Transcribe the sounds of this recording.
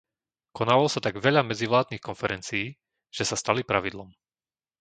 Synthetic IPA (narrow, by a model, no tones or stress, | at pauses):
kɔnaːʋlɔsat̪aɡʋɛʎamɛd͡ziʋlaːd̪̚niːxkɔnfɛɾɛnt͡siː | ʒ̥ɛsast̪alipɾaʋid̪lˠɔm